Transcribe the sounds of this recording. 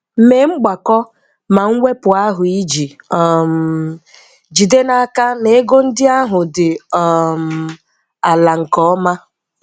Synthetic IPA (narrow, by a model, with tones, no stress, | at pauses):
m̩˨me˨ŋ͡m̩˦ɡ͡ba˨kɔ˦ | ma˨ŋ̩˦ŋʷe˦pʊ˨a˦ɦʊ˨i˦d͡ʒi˨ɔ˨m˨ | d͡ʒi˨de˦na˦ka˦ne˨˦ɡo˦n̩˦dɪ˦a˦ɦʊ˨dɪ˨m̩˨ | a˨la˨ŋ̩˨kɔ˦ɔ˦ma˦